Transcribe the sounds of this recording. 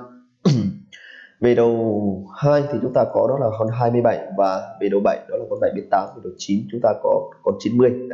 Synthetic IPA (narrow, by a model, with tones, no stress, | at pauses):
ve˨˩ɗə˨˩whaː˧jt̪ʰi˨˩t͡ɕʊ˨˦ŋ͡mt̪aː˧kɔ˨˦ɗɔ˨˦laː˨˩ɦə˧nɦaː˧jmɨ˧əjɓə̰˧˩jvaː˨˩ve˨˩ɗə˨˩wɓə̰˧˩˨jɗɔ˨˦laː˨˩kɔ˧nɓa̰˧˩˨jɓə˨˦t̪aː˨˦mti˨˩ɗə˨˩wt͡ɕi˨˦nt͡ɕʊ˨˦ŋ͡mt̪aː˧kɔ˨˦kɔ˧˩nt͡ɕi˨˦nmɨ˧əj